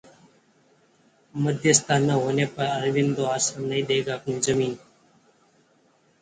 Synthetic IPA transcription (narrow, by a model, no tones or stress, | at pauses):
məd̪ʱjəst̪ʰanəɦoːnepəɾəɾʋind̪oaːsənəĩd̪eɡakũnzəmiːn